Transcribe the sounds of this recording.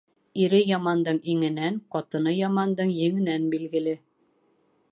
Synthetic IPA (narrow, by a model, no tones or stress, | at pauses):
iɾɘjɑmɑnd̪ɤɴiŋɘ̆næɴqɑt̪ɤ̆nɤjɑmɑnd̪ɤɴjɘ̆ŋɘ̆nænbilɡɘ̆lɘ